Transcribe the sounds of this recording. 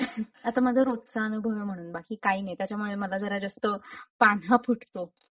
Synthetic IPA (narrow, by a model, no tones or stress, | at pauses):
at̪aməd͡zʱəɾot̪saːnubʱəʋjəm̤əɽ̃uːnbakiːkainajt̪jat͡ɕamuɭeməlad͡zəɾad͡zəst̪əːpan̤apʰuʈt̪o